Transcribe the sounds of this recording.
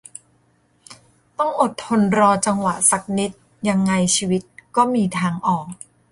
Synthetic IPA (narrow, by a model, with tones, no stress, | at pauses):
t̪ɔ˥˩ŋʔo˨˩t̪ʰːo˧nɾɔː˧t͡ɕa˧ŋwa˨˩sa˨˩k̚ni˦˥t̪̚ | ja˧ŋːa˧jt͡ɕʰiː˧wi˦˥t̪̚kɔː˥˩miː˧t̪ʰaː˧ŋʔɔː˨˩k̚